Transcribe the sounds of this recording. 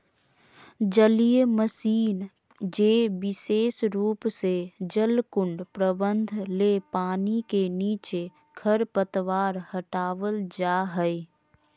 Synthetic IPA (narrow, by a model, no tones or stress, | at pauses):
d͡ʒəlijeməsiːn | d͡ʒeːbɪseːsɾuːpsed͡ʒəlkʊɳɖpɾəbə̃nd̪ʱlepaːnikeniːt͡ʃe | kʰəɾpət̪ʋaːɾhəʈaːʋəld͡ʒaːɦəi